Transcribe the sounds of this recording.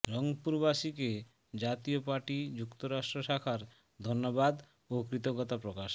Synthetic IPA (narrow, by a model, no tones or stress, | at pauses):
ɾɔŋpuɾbaʃike | d͡ʑat̪iopaɾʈid͡ʑukt̪oɾaʃʈɾoʃakʰaɾ | d̪ʱonːobad̪ | okɾit̪oɡɔt̪apɾokaʃ